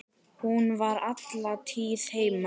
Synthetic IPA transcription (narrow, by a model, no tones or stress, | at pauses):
hunvaɾat̪lat̪ʰiːð̥heːjma